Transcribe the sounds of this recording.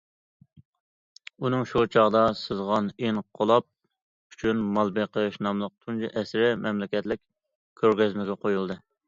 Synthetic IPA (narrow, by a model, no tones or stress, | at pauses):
unɨŋʃut͡ʃʰɑʁd̪ɑsɨzʁɑnenqʰolˠɑp̚ | yt͡ʃʰynmɑlˠbeqʰəʃnɑmlˠəq̚t̪ʰund͡ʒiʔɛsɾɪmʔɛmlɪkʲɛt̪lɪk̚ʲ | kʲʰːøɾɡʲɛzmɪɡʲɛqʰojulˠd̪ɨ